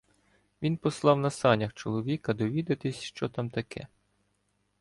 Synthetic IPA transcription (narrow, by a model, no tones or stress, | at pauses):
ʋʲinpɔslˠɑwnɐsɑnʲɐxt͡ʃɔlˠɔʋʲikɐd̪ɔʋʲid̪ɐt̪ɪsʲʃt͡ʃɔt̪ɑmt̪ɐkʰɛ̰